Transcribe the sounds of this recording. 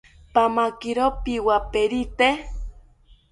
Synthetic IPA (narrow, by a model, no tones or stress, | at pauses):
pamakiɾopiwapeɾit̪e